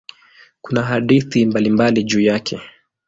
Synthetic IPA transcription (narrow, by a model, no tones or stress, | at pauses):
kunaɦaɗiθimbalimbaliʄuːjakʰɛ